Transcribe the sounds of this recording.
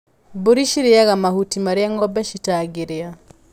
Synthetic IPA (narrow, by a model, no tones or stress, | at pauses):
boɾiʃiɾeaɣamahutimaɾeaŋɔbɛʃitaɡeɾea